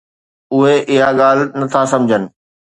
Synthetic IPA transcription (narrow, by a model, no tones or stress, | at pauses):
ʊɦeʔɪɦaɠaːl̤nɐt̪ʰasɐ̃md͡ʑʱənɪ̆